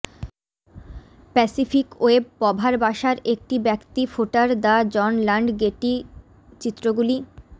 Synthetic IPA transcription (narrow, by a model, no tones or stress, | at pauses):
pɛsifʰikoeb̚ːɔbʱaɾbaʃaɾek̚ʈibɛkt̪ifoʈaɾd̪ad͡ʑɔnlaɳɖɡeʈi | t͡ɕit̪ːɾoɡuli